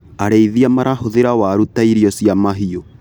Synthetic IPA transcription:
aɾeiðiamaɾʔahoðeɾawaɾutaiɾiɔsiamaɦio

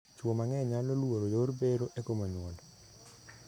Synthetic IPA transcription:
t͡ʃwomaŋɛɲalnolwoɾojorbeɾoʔekomaɲɔl

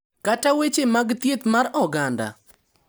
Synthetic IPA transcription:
katawet͡ʃemaɡt̪jet̪maɾɔɡanda̰

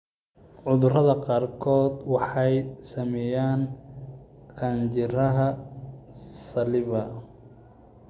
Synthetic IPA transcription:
ʕʊðʊrɐðɐqɑːrkʰɔːd̪wɑħɑjsɐmɛjaːn | kʰaːnt͡ʃɪɾɐɦɐ | sɐlɪβɐ

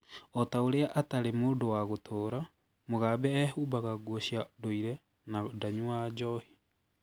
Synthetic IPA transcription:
ɔtaoɾeaʔataɾemoːdowaɣotʰoːɾa | moɣabɛɛhubaɣaɡwɔɕjadoiɾɛ | nadaɲuad͡ʒɔhi

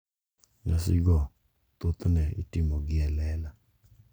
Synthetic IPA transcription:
ŋasɪ̰ɡɔ | t̪ot̪nɛḭtɪmɔɡɪɛlɛla

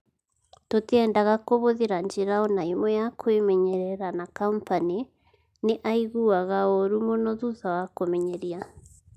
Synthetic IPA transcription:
totɛːndaɣakoβoðeɾaɲd͡ʒeɾaonaimɔjakʰoemɛɲɛɾɛɾanakampane | neʔaiɣuaɣaoɾumonɔðuðawakomɛɲɛɾia

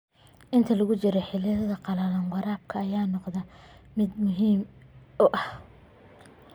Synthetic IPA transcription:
ʔɪnt̪ʰɐlɐɣʊt͡ʃɪɾɛħɪlɪðɐðɐqɑlɐlɐnwɑɾaːb̚kʰɐːjaːnɔqðɐmɪd̪mʊɦiːmʊʔɐh

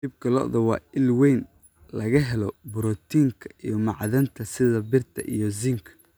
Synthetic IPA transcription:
dib̚kʰɐlɔ̰ʔðɐwɑːɪlwɛjn | lɐɣɐɦɛlɔbʊɾɔt̪ʰiːŋkʰɐijɞmɑʕðɐnt̪ʰɐsɪðɐbɪrt̪ʰɐ̰ʔḭjɞzɪŋkʰɐ̥

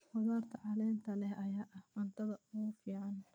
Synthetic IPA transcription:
wɐðaːrt̪ʰɐʕɑlɛːnt̪ʰɐlɛhɐjaːʔɐhmɐnt̪ʰɐðɐʊɣʊfiːʕɑn

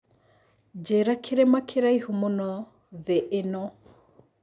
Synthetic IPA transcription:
d͡ʒeɾakʰeɾemakʰeɾaihumonɔ | ðeʔːnɔ

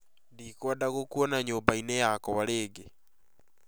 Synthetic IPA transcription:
ndiːkwɔdaɣokuɔnaɲoːmbainejakɔwaɾeːɡe

